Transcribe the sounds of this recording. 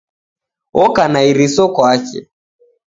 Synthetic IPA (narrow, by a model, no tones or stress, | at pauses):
ɔkanaiɾisɔkwat͡ʃɛ̰